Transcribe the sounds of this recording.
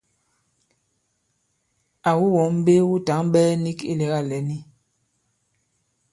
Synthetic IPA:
a˨wu˦wɔ˨˦m˦be˦wu˦ta˨˦ŋɓɛː˦ni˦kḭ˦˨lɛ˨˦ɣa˦˨lɛ˨˦ni˦

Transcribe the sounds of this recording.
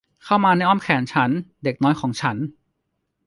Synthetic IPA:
kʰa˥˩wmaː˧na˧˥˩jʔɔː˥˩mkʰɛː˩˦nt͡ɕʰa˦˥nde˨˩k̚nɔː˦˥jkʰɔː˩˦ŋt͡ɕʰa˦˥n

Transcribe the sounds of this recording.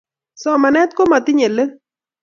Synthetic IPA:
sɔ˦˨ma˨˧nɛ˦t̪̚ko˦ma˨t̪i˦ɲe˨lɨ˦

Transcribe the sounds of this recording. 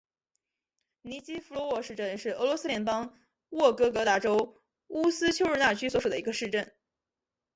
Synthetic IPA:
ni˧˥t͡ɕi˥fu˧˥lwɔ˧˥wɔ˥˧ʂɻ̩˥˧ʈ͡ʂə˥˧nʂɻ̩˥˩ɤ˧˥lwɔ˧˥sɹ̩˥ljɛ˧˥npɑ˥ŋ | wɔ˥˩kɤ˥kɤ˧˥t̪a˥ʈ͡ʂo˥ʊ | u˥sɹ̩˥t͡ɕʰjo˥ʊɻ̩˥˧na˥˩t͡ɕʰy˥swɔ˧˥ʂu˨˩d̪ə˦˧i˧˥ɡə˧ʂɻ̩˥˧ʈ͡ʂə˥˩n

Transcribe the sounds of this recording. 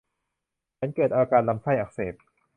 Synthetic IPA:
t͡ɕʰa˦˥nkɤː˨˩t̪̚ʔaː˧kaː˧nla˧mkʰa˥˩jʔa˨˩k̚seː˨˩p̪̚

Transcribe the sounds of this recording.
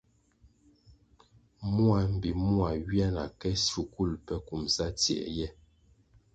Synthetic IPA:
mu˦a˨m̩˨bi˨mu˦a˨wja˦na̰˨kɛ˦su˨ku˦˨lpɛ˦ku˨msa˦tjɛ̰˨ʔjɛ˦

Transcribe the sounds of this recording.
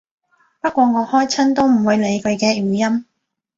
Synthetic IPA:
pɐ˥t̚kʷɔː˧ŋɔː˨˧hɔː˥jt͡sʰɐ˥nt̪o˥wm̩˨˩wu˨˧jle˨˧jkʰɵ˨˧ɥkɛː˧jyː˨˩jɐ˥m

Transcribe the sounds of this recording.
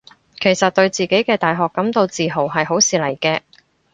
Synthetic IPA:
kʰe˨˩jsɐ˨t̚t̪ɵ˧ɥt͡siː˨˩ke˨˥jkɛː˧t̪aː˨jɦɔː˨kːɐ˨˥mt̪o˧wt͡siː˨ɦo˨˩wɦɐ˨jɦo˨˥wsiː˨lɐ˨˩jkɛː˧

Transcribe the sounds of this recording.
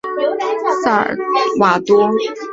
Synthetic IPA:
sa˥˩ə̰˨˩wa˨˩t̪wɔ˥

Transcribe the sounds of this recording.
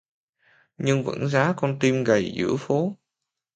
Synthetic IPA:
ɲɨ˧ŋvə̰˧˥nzaː˨˦kɔ˧nt̪i˧mɣa˨˩jzɨ̰˧˥əfo˨˦

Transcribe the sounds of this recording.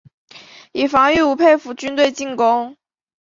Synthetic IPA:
i˨˩fɑ˧˥ŋy˥˩u˧˥pʰe˥˩ɪfu˧˥t͡ɕy˥nt̪we˥˧ɪt͡ɕi˥˩ŋkʊ˥ŋ

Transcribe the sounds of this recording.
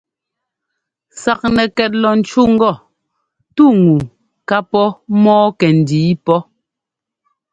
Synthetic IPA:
sa˨k̚nɛ˨kɛ˨t̚lɔ˨n̩˨t͡ʃu˦ŋ̩˦ɡɔ˦˨ | tu˦˨ŋu˨ | ka˦pɔ˦mɔː˦kɛ˨n̩˨diː˨˦pɔ˦

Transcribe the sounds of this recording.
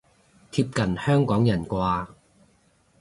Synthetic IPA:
t̪ʰiː˧p̚kɐ˨˩nhœː˥ŋkɔː˨˥ŋjɐ˨˩nkʷaː˧

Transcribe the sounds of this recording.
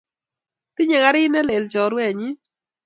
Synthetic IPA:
t̪ɪ˦ɲɛ˨ŋa˦ɾɪ˦ɪ˦nɛ˦le˨lt͡ʃɔ˨˦ɾwɛ˨ɲɪ˦

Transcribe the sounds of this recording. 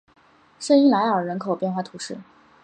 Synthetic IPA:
ʂə˥ni˥˩la˧˥ɪə˞˨˩ɻə˧˥nkʰo˨˩ʊpjɛ˥˧nxwa˥˩t̪ʰu˧˥ʂɻ̩˥˩

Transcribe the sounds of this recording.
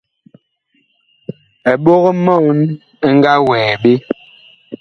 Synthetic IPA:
ɛ˨ɓo˦ɣɔ˦mɔ˦˨wn˦ | ŋ̩˦ɡa˦wɛː˨ɓe˦

